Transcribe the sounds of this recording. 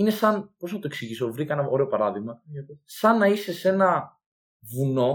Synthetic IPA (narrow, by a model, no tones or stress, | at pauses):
ine̞sɐnpo̞znɐt̪oe̞ksiʝiso̞vɾikɐenɐʔo̞ɾe̞o̞pɐɾɐðiɣmɐsɐnːɐise̞se̞nɐ | vuno̞